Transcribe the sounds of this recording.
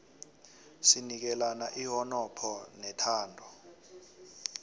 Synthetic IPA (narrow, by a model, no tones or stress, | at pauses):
sinik̬ɛlanaʔiɦɔnɔpʰɔnɛtʰaːndʱɔ